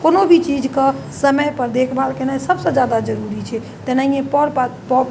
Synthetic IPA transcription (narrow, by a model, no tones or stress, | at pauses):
konobʱit͡ʃid͡ʒkə | səməjpəɾd̪ekʰbʱalkenajsəbsə̃d͡ʒjad̪ad͡ʒəɾuɾit͡ʃʰɛ | t̪enaĩjẽpəɾppɔ